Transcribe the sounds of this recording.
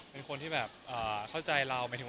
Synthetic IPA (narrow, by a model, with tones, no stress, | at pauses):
pe˧nkʰo˧nt̪ʰiː˥˩bɛː˨˩p̚ʔɤː˨˩kʰa˥˩wt͡ɕa˧jɾa˧wma˧jt̪ʰː